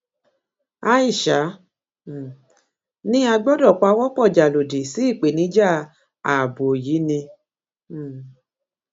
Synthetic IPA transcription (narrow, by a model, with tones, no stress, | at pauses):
a˦i˦˨ʃa˨˦˨ | nĩ˦a˧ɡ͡bɔ˦dɔ˦˨k͡pa˧˦wɔ˦k͡pɔ˦˨d͡ʒa˨lo˨di˨si˨˦i˦˨k͡pe˨nĩ˨˦d͡ʒa˦ | a˨bo˨ji˨˦nĩ˧˨